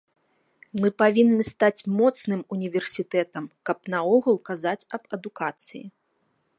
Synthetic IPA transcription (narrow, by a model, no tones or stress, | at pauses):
mɨpavʲinːɨst̪at͡sʲmɔt̪snɨmunʲivʲɛrsʲit̪ɛt̪ɐmkɐpnɐɔɣulˠkazat͡sʲɐbɐd̪ukat̪sɨjḭ